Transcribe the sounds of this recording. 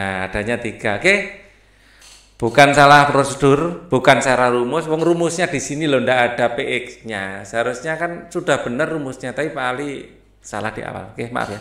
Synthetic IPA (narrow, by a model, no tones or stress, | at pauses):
aad̥a̤ɲat̪iɡ̥a̤keh | b̥ukansalahpɾosəd̥ʊrb̥ukansaɾaɾumʊswɔŋrumʊsɲad̥i̤sinilondaʔad̥a̤peʔɪksɲasɦaɾʊsɲakansud̥a̤hb̥ə̤nərːumʊsɲat̪aipali | sa̰la̰hd̥i̤a̰wa̰lkehma̰ʔfja